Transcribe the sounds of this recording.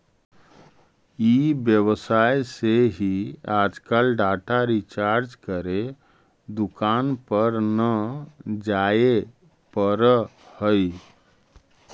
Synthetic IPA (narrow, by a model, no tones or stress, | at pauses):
ibjəβsajseɦiad͡ʒkalɖaʈaɾit͡ʃaɾd͡ʒkəɾe | d̪ukanpəɾnəd͡ʒae | pəɾəhəj